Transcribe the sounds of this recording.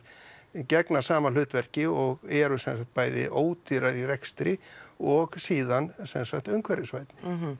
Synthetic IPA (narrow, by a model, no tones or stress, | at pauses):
cɛknasaːmalʏːt̪vɛɾ̥cɪɔɣɛɾʏsɛnsak̚t̪̚paːjðɪ̰ʔoːwt̪iɾaɾirɛkst̪ɾɪɔɣsiːðansɛ̰nsakt̪œɥŋkʰvɛɾjɪsvajt̪nɪ̥